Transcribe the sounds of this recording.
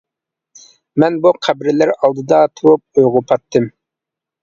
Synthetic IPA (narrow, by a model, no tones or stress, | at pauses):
mɛnbuqʰæbɾɪlɪɾɑlˠd̪ɨd̪ɑt̪ʰuwup̚øjʁʊpʰɑt̪ːɨm